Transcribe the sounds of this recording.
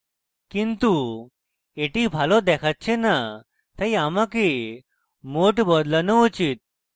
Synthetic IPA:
kint̪u | eʈibʱalɔd̪ɛkʰat̪̚t͡ɕʰena | t̪ejamaki | moʈbɔd̪lənəut͡ɕit̪̚

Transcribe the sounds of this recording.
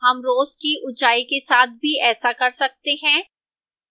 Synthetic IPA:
ɦɐmɾoːzkiʔʊt͡ʃaːikesaːt̪̚ʰbʱiɛːsakɐɾsɐk̚t̪eɦɛ̃ː

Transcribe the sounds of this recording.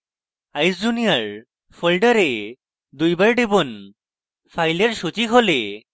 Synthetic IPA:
ajsd͡ʒunijaɾ | pʰɔlɖəɾe | d̪ujbaɾɖibɔn | pʰajleɾsut͡ɕikʰole

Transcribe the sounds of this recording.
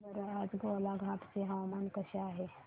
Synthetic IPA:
bɐɾaːd͡ʒɡolaɡʱãʈseɦawmankəʃaːɦe

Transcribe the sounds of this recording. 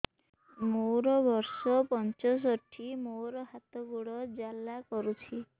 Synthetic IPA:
mowɾɔbɔɾsɔpɔnt͡ʃɔs̬ɔʈʰimowɾɔɦat̪ɔɡuɽɔd͡ʒalːakɔɾut͡ʃʰi

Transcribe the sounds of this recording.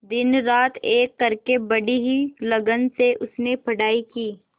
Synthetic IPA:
d̪ɪnɾaːt̪ʰeːkːɐɾkebɐɽiɦilɐɡənseʔʊsnepʰɐɽaːikiː

